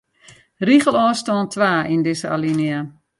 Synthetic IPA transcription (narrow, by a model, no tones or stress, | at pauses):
riχəlˠɔːstɔːntʰʋaːʔindɪsəa̰linia